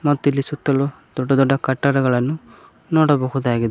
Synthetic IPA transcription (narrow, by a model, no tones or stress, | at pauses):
mɔt̪ːilisut̪ːɔlɔ | d̪̥ɔɖɔd̪ɔɖakaʈːaɾɔɡɔɭanu | nɔɽɔbɔɦud̪aɡid̪i